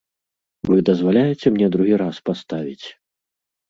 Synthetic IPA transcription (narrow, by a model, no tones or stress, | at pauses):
vɨd̪ɐzvalʲajɛt͡sʲɛmnʲɛd̪ɾuɣʲiɾaspast̪avʲit͡sʲ